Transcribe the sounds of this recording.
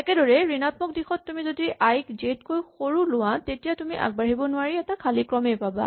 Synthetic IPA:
ɛkɛdɔɹɛɹinatmɔk̚dixɔtːumizodiʔajkzetkojxoɹulʊwatetijatumiʔa̰ɡ̚baɦibɔnʊwaɹiɛtakʰalikɹɔmɛpaba̰

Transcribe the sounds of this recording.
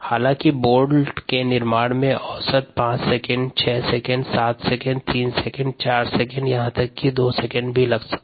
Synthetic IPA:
haːlãːkiboːɾɖkenɪɾmaːɽmẽʔɔːsət̪̚pãːt͡ʃsɛkə̃ɳɖt͡ʃʰɛːsɛkə̃ɳɖsaːt̪ʰsɛkə̃ɳɖt̪iːnsɛkə̃ɳɖ̚t͡ʃaːɾsɛkə̃ɳɖjɐɦãt̪ɐkːid̪oːsɛkə̃ɳɖbʱilɐɡsə̥kː

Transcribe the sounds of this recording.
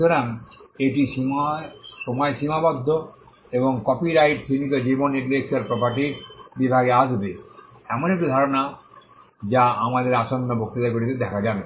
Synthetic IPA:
oɾaneʈiʃi | ʃomɔeʃimabɔd̪ʱːo | eboŋkɔpiɾajʈ̚t̪ʰinit̪od͡ʑibonːeʈd̪eksaɾpɾɔpaʈ̬iɾbibʱaɡeaʃbe | ɛmonek̚ʈud̪ʱaɾona | d͡ʑaamad̪eɾaʃonːobok̚t̪it̪akoɾit̪ed̪ɛkʰad͡ʑan

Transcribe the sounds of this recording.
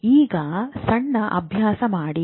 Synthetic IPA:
iːɡɐsɐɳːɐʔɐ̰bʱjaːsɐmaːɽi

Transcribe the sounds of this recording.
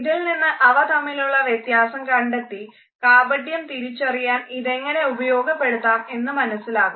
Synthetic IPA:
ðilninːɨʔɐʋɐt̪ɐmːiluɭːɐʋjet̪jaːsɐmkɐɳɖet̪ːi | kaːbɐɖjɐmt̪iɾit͡ɕːɐrijaːniðe̞ŋːɐne̞ubɐjo̞ːɡɐpːe̞ɽut̪ːaːme̞nːɨmɐnɐsːilaːɣum

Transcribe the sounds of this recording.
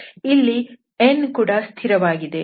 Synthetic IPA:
ilːi | enkuːɽɐst̪ʰiɾɐʋaːɡid̪e̞

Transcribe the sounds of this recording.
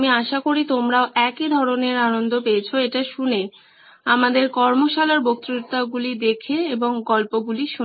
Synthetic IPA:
miaʃakoɾit̪omɾaoʔɛkid̪ʱɔɾoneɾanond̪ʱopeet͡ɕʰoeʈaʃune | amad̪eɾkɔɾmoʃalaɾbok̚t̪ɾut̪ːaɡulid̪ekʰeeboŋɡɔlpoɡuliʃu

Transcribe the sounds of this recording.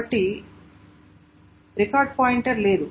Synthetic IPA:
ɐʈːi | ɾikaːɾɖ̚paːjiɳʈɐɾleːd̪u

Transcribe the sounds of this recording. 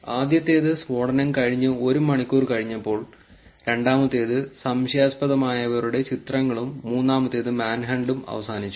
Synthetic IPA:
aːd̪jɐt̪ːe̞ːðɨswo̞ːɽɐnɐmkɐɻiɲːɨo̞ɾumːɐɳikʲːuːrkɐɻiɲːɐpːo̞ːɭ | ɾe̞ɳɖaːmɐt̪ːeːðɨsɐmɕjaːspɐðɐmaːjɐʋɐɾuɽe̞t͡ɕit̪rɐŋːɐɭumːuːnːaːmɐt̪ːeːðɨmaːnɦɐɳɖumɐ̰ʋɐsaːnit͡ɕːu

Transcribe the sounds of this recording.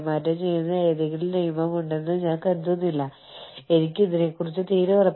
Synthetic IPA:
mɐɾɐmt͡ɕe̞junːɐeːðiɣiɭilnejɐmɐmuɳɖenːɨɲaːnkɐɾd̪unːilːɐ | e̞nikʲːuiðinekːurit͡ɕːɨt̪iːɾɐʋɐrɐpː

